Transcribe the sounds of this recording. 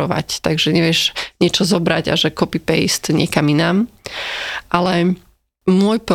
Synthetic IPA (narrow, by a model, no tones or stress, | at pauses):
ɔʋa̰ct̪aɡʒɛɲɛʋɪɛʒɲɪɛt͡ʃɔzɔbɾaɟa̰ʒɛkɔpipɛjst̪ɲɪɛkaminaːm | ʔalɛ | mʊɔjp